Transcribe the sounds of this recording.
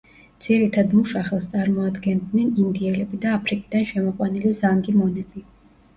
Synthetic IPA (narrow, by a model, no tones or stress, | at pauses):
d̪z̥iɾit̪ʰad̪muʃaχɛlˠst̪sʼaɾmɔad̪ɡɛnd̪nɛnind̪iɛlɛbid̪aːpʰɾikʼid̪̥anʃɛmɔqʼwanilizaŋɡimɔnɛbi